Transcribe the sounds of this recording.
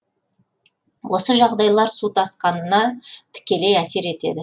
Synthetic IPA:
wʔo̞səʒɑʁd̪ɑjlˠɑɾsut̪ɑsqɑnənɑt̪ʰɪ̥kʲe̞le̞jæse̞ɾe̞t̪e̞̰d̪ɪ

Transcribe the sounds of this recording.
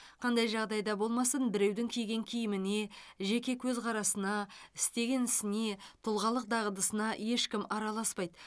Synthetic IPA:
qʰɑnd̪ɑjʒɑʁd̪ɑjd̪ɑbo̞lˠmɑsənbɪɾe̞wd̪ɪŋkʲʰijɡʲe̞ŋkʲʰijɪmɪne̞ʒe̞kʲe̞kʲʰɵzqʰɑɾɑsənɑɪst̪e̞ɡʲe̞nɪsɪne̞t̪ʰʊlˠʁɑlˠəq̚d̪ɑʁəd̪əsənɑje̞ʃkʲɪmɑɾɑlˠɑspɑjd̪

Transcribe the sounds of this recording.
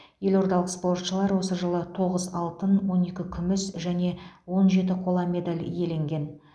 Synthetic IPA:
je̞lʲo̞ɾt̪ɑlˠəq̪spo̞rt̪ʃəlˠɑɾwo̞səʒəlˠət̪ʰo̞ʁəzɑlˠt̪ənwo̞ne̞kʲɪkʲʰʏmɪsʒæne̞wo̞nʒe̞t̪̬ɪqʰo̞lˠɑmʲe̞d̪alʲje̞le̞ŋɡʲe̞n

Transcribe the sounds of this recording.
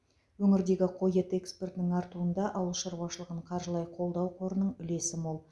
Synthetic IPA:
wɵŋɪɾd̪e̞ɡʲɪqʰo̞jət̪e̞kspe̞rt̪nɪŋɑɾt̪uənd̪ɑʔɑwəlˠʃəɾbɑʃəlˠəʁəɴqʰɑɾʒəlˠɑjqʰo̞lˠd̪ɑwqʰo̞ɾənəɴʏle̞sɪmolˠ

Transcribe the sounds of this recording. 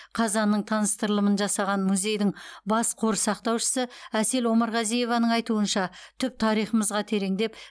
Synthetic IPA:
qʰɑzɑnːəɴt̪ʰɑnəst̪əɾəlˠəmənʒɑsɑʁɑnmuzʲe̞jd̪ɪŋbɑsqʰo̞ɾəsɑqt̪ɑwʃə̥səæse̞lwo̞mɑɾʁɑzije̞vɑnəɴɑjt̪uənʃɑt̪ʰʏp̚t̪ʰɑɾijχəməzʁɑt̪ʰe̞ɾe̞ŋd̪e̞p

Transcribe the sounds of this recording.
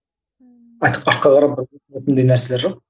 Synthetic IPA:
ɑjt̪ə̥pɑt̪̚qɑʁɑɾɑp̚bʊɾt̪et̪ɪnd̪ejnæɾseleɾʒoq̚

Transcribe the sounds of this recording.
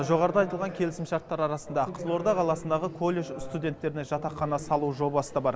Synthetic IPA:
ʒo̞ʁɑɾəd̪ɑjt̪əlˠʁɑŋkʲʰe̞lɪsɪmʃɑɾt̪ːɑɾɑɾɑsənd̪ɑqʰəzəlˠo̞ɾd̪ɑqʰɑlˠɑsənd̪ɑʁəkʰo̞lʲˠːe̞ʒst̪ud̪ʲe̞nt̪ːe̞ɾɪnɪʒɑt̪ɑqːɑnɑsɑlˠuʒo̞bɑsəd̪ɑbɑɾ

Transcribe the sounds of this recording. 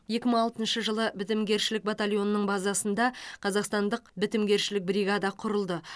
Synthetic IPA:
je̞kʲɪməɴɑlˠt̪ənʃəʒəlˠəbɪt̪ɪmɡʲe̞ɾʃɪlɪk̚bat̪alʲjo̞nːəɴbɑzɑsənd̪ɑqʰɑzɑqst̪ɑnd̪əq̚bɪt̪ɪmɡʲe̞ɾʃɪlɪk̚bɾiɡɑd̪ɑqʰʊɾəlˠd̪ə

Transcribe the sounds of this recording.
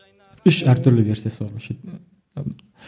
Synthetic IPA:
ʊʃæɾt̪ʰʊɾlɪve̞ɾsijasɪbɒlˠmɪʃɪ

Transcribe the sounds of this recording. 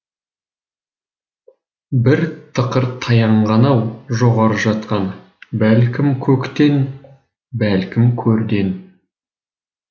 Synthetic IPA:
bɪɾt̪ʰəqəɾt̪ʰɑjɑɴʁɑnɑwʒoʁɑɾəʒɑt̪qɑn | bælkʲɪmkʲʰɵkt̪e̞n | bælkʲɪmkʲʰɵɾd̪e̞n

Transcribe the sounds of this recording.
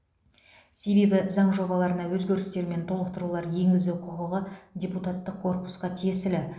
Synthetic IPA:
se̞be̞bɪzɑɴʒo̞bɑlˠɑɾənɑwɵzɡʲe̞ɾɪst̪e̞ɾme̞nt̪ʰo̞lˠəq̚t̪əɾulˠɑɾje̞ŋɡʲɪzd̪ɪqʰʊʁəʁədʲe̞put̪at̪ːəq̚kʰːo̞rpu̥sqɑt̪ʰijsɪlɪ

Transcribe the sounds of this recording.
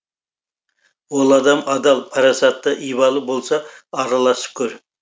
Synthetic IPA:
wolˠɑd̪ɑmɑd̪ɑlˠpʰɑɾɑsɑt̪ːɑʔijβɑlˠəbolˠsɑːɾɑlˠɑsə̥p̚kʰʲɵɾ

